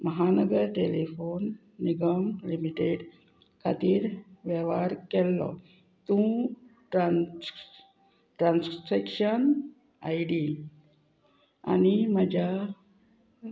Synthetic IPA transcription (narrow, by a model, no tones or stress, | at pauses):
məɦanəɡəɾʈelifonː | iɡəmlimiʈeɖ | kʰa̰t̪iːɾʋjɛʋaɾkɛlːɔ̰ | t̪ũʈɾan | ʈɾansfɾekɕən | ajɖi | a̰niməd͡ʑa